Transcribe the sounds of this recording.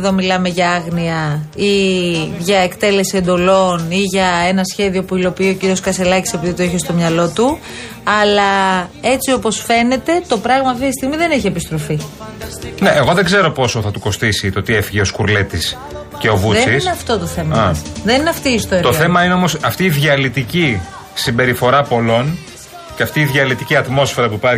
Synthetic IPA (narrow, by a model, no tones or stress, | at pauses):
ðo̞milɐme̞ʝɐɐɣniɐiʝɐekt̪e̞le̞sie̞nd̪o̞lo̞niʝɐe̞nɐsçe̞ðio̞puilo̞piio̞ciɾio̞skɐse̞lɐcise̞piðit̪oiçest̪o̞mɲɐlo̞t̪u | ɐlɐe̞t͡sio̞po̞sfe̞ne̞t̪e̞t̪o̞pɾɐɣmɐɐft̪it̪ist̪iɣmiðe̞niçiepist̪ɾo̞fi | ne̞ʔeɣo̞ðeɡze̞ɾo̞po̞so̞θɐt̪uko̞st̪isit̪ot̪iefiʝeoskuɾlet̪is | ceo̞vuðeisineɐft̪o̞t̪oθe̞mɐɐsðenineɐft̪ist̪oeɾt̪oθe̞mɐineomosɐft̪iːðʝɐlit̪ici | simbe̞ɾifo̞ɾɐpo̞lo̞n | ceɐft̪iːðjɐlit̪iciɐt̪mo̞sfe̞ɾɐpuipɐ